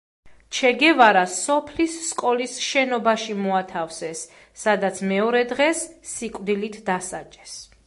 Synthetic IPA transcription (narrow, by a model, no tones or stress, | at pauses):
t͡ʃʰɛɡɛvaɾasɔpʰlisːkʼɔlisʃɛnɔbaʃimɔat̪ʰafsɛsː | ad̪at̪sʰmɛɔɾɛd̪ʁɛsːikʼwd̪ilit̪ʰd̪asat͡ʃʼɛs